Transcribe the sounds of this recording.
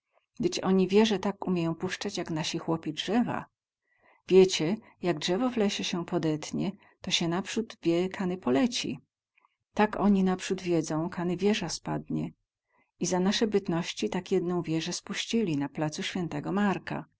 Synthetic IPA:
ɡd̪ɘt͡ɕɔɲivʲjɛʐɛt̪akumʲjejɔ̃w̃puʂt͡ʂat͡ɕjaknaɕixwɔpʲidʐɛva̰ | vʲjet͡ɕɛ | jaɡ̚dʐɛvɔvlɛɕɛɕɛpɔd̪ɛt̪ɲɛ | t̪ɔɕɛnapʂud̪vʲjɛkʰanɘpɔlɛt͡ɕḭ | t̪akɔɲinapʂud̪vʲjɛd̪zɔ̃w̃kʰanɘvʲjɛʐaspa̰d̪ɲɛ | izanaʂɛbɘt̪nɔɕt͡ɕit̪akjɛd̪nɔ̃w̃vʲjɛʐɛspuɕt͡ɕilʲinaplat̪suɕfʲɛnt̪ɛɡɔmaɾka̰

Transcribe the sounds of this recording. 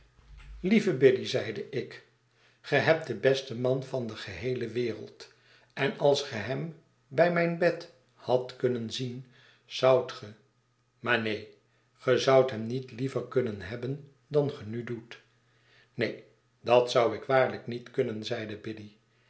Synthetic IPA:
livəbɪdizɛjdəʔɪk | χəɦɛp̚dəbɛstəmɑnvɑndəχəɦejləʋɪːrə̰lˠt | ɛnɑlˠsχəɦɛm | bɛjmɛjnbɛt | hɑtkɵnənzin | z̥ʌwtχə | maːɹnej | χəzʌwtɦɛmnitlivəɹkɵnənɦɛbən | dɑnχənydut | nej | dɑtsʌwɪkʋaːɹləknitkɵnənzɛjdəbɪdi

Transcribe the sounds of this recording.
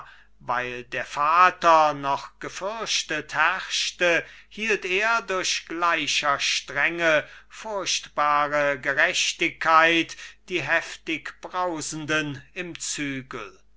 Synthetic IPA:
vaɪldeːɐfaːtɐnɔχɡ̥əfʏɐʃtəthɛʁʃtəhiːlteːɐdʊɐɕɡ̥laɪʃɐʃtʁ̥ɛŋəfʊɐɕtb̥aːʁəɡəʁɛʃtɪkʰːaɪtd̥iːɦɛftɪkb̥ʁaʊzn̩dənɪmt͡syːɡl̩

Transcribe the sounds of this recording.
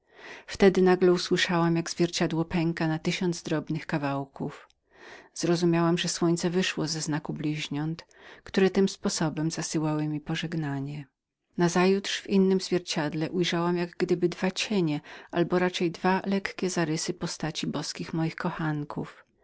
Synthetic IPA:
ft̪ɛd̪ɘnaɡlɛuswɘʂawamjaɡz̥vʲjɛɾt͡ɕad̪wɔpɛŋkanat̪ɘɕɔnd̪zd̪ɾɔbnɘxkavawkuf | z̥ɾɔzumʲjawamʐɛswɔɲt̪sɛvɘʂwɔzɛznakublʲiʑɲɔnt̪ | kt̪uɾɛt̪ɘmspɔsɔbɛmzasɨwawɘmʲipɔʐɛɡnaɲɛ | nazajut̪ʂvinːɘmzvʲjɛɾt͡ɕad̪lɛʔujʐawamjaɡɡd̪ɘbɘd̪vat͡ɕeɲɛʔalbɔɾat͡ʂɛjd̪valɛkkʲɛzaɾɘsɘpɔst̪at͡ɕibɔskʲixmɔjixkɔxaŋkʰuf

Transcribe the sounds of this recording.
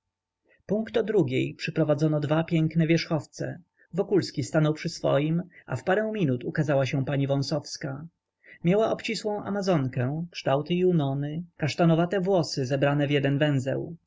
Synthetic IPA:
puŋkt̪ɔd̪ɾuɡʲejpʂɘpɾɔvad̪zɔnɔd̪vapʲjɛŋknɛvʲjɛʂxɔft̪sɛ̰ | vɔkulskʲist̪anɔwpʂɘsfɔ̰jimʔa̰fpaɾɛw̃mʲinut̪ukazawaɕɛ̃paɲivɔ̃w̃sɔfska | mʲjawaʔɔpt͡ɕiswɔ̃w̃ʔa̰mazɔŋkɛ̃kʂt̪awt̪ɘiunɔnɘkaʂt̪anɔvat̪ɛvwɔsɘzɛbɾanɛvjɛd̪ɛnvɛ̃ñzɛ̰w

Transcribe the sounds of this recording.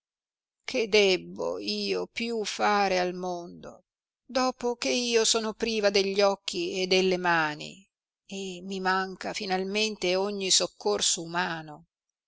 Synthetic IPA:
kʰed̪ɛbːo̰iːopjufaːɾealmond̪o̰ | d̪ɔːpokeiːosɔːnopɾiːvad̪eʎːɔkːied̪ːelːemaːnḭ | emːimaŋkafinalment̪eoɲːisokːorsoumaːno

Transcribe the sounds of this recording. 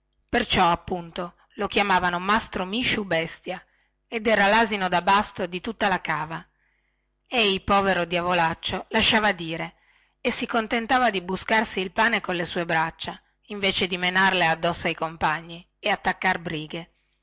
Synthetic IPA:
pert͡ʃɔapːunt̪o | lokjamaːvanomast̪ɾomiʃːubɛst̪ja | ed̪ɛːɾalaːzinod̪abast̪od̪it̪ut̪ːalakaːva | ejipɔːveɾod̪javolat͡ʃːolaʃːaːvad̪iːɾe | esikont̪ent̪aːvad̪ibuskarsiːlpaːnekolːesuːebɾat͡ʃːa | iɱveːt͡ʃed̪imenarlead̪ːɔsːoajkompaɲːi | eat̪ːakːarbɾiːɡe

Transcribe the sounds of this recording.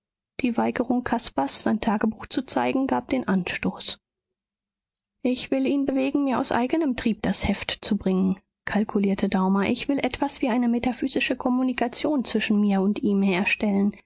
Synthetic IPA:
d̥iːvaɪɡəʁʊŋkʰaspasz̥aɪntʰaːɡəbuːxt͡sut͡saɪɡŋ̩ɡaːp̚d̥eːnʔanʃtoːs | ʔɪçv̥ɪliːnbəveːɡŋ̩miːɐʔa̰ʊsʔa̰ɪɡənəmtʁ̥iːp̚d̥ashɛftt͡subʁɪŋən | kʰalkʰuliːɐtʰədaʊmɐʔɪçv̥ɪlʔɛtv̥asv̥iːʔaɪnəmetafyːzɪʃəkʰɔmunikʰat͡sjoːnt͡sv̥ɪʃn̩miːɐʊntʔiːmheːɐʃtɛlən

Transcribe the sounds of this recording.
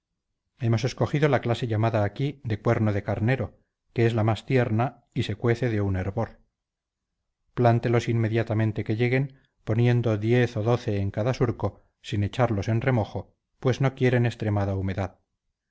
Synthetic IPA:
e̞mo̞se̞sko̞xiðo̞laklase̞ʎamaðaːkiðe̞kwe̞ɾnoðe̞kaɾne̞ɾo̞ | keezlamast̪je̞ɾna | ise̞kwe̞θe̞ðe̞une̞ɾβo̞ɾ | plant̪e̞lo̞simme̞ðjat̪amẽ̞nt̪e̞ke̞ʎe̞ɣe̞m | po̞nje̞nd̪o̞ðje̞θoðo̞θe̞ːŋkaðasuɾko̞ | sine̞t͡ʃaɾlo̞se̞nre̞mo̞xo̞ | pwe̞zno̞kje̞ɾe̞ne̞st̪ɾe̞maðaume̞ðað

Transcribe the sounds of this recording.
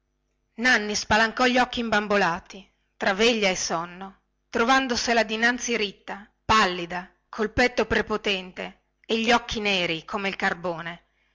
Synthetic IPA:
nanːispalaŋkɔʎːiɔkːiːmbambolaːt̪i | t̪ɾaveʎːaesɔnːo | t̪ɾovand̪oselad̪inant̪sːiɾit̪ːa | palːid̪a | kʰolpɛt̪ːopɾepot̪ɛnt̪eː | ʎːɔkʰːineːɾikʰomeilkarboːne

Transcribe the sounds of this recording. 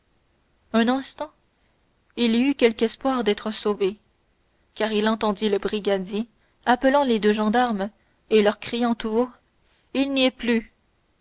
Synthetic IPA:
œ̃nɛ̃st̪ɑ̃ | iliykʲɛlkɛspwaːʁd̪ɛːt̪χəsove | kʲaːʁilɑ̃t̪ɑ̃d̪iləbʁiɡʲad̪je | apəlɑ̃led̪øʒɑ̃d̪aʁm | elœʁkχijɑ̃t̪uo | ilniɛply

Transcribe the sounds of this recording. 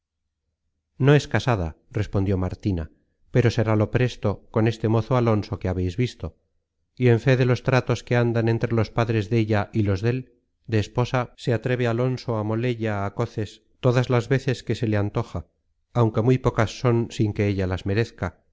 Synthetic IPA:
no̞e̞skasaða̰ | re̞spo̞nd̪jo̞maɾt̪ina | pe̞ɾo̞se̞ɾalo̞pɾe̞st̪o̞ko̞ne̞st̪e̞mo̞θoalo̞nso̞keaβe̞jzβist̪o̞ | ie̞ɱfe̞ðe̞lo̞st̪ɾat̪o̞ske̞and̪anẽ̞nt̪ɾe̞lo̞spaðɾe̞zðe̞ʎaʔilo̞zðe̞l | d̪e̞ːspo̞sase̞at̪ɾe̞βealo̞nso̞amo̞le̞ʎaːko̞θe̞s | t̪o̞ðazlazβe̞θe̞ske̞se̞leant̪o̞xaː | wŋke̞mujpo̞kasːo̞nsiŋke̞eʎalazme̞ɾe̞θka

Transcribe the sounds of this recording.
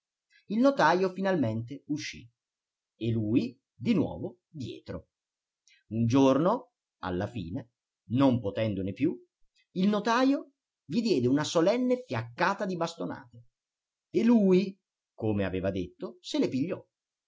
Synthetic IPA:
ilnot̪aːjofinalment̪euʃːḭ | eluːi | d̪inwɔ̰ːvo | d̪jɛ̰ːt̪ɾo̰ | und͡ʒorno | a̰lːafḭːne | nompot̪ɛnd̪onepju | ilnot̪aːjo | ʎid̪jɛːd̪eunasolɛnːefjakːaːt̪ad̪ibast̪ona̰ːt̪e | eluːi | komea̰veːvad̪et̪ːoselepiʎːɔ

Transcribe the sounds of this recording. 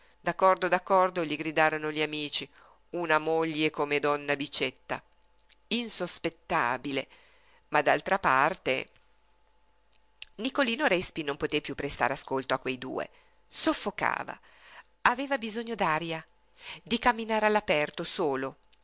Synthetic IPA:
d̪akːɔrd̪od̪akːɔrd̪oʎiɡɾid̪aːɾonoʎiamiːt͡ʃi | unamoʎːekomed̪ɔnːabit͡ʃːet̪ːa̰ | insospet̪ːa̰ːbilḛ | mad̪alt̪ɾapart̪ḛ | nikoliːnoɾɛspinompot̪epjupːɾest̪a̰ɾeaskolt̪oakːwejd̪ṵːḛ | sofːoka̰ːva̰ | aveːvabizoɲːod̪aːɾja | d̪ikamːinaːɾealːapɛrt̪osoːlo

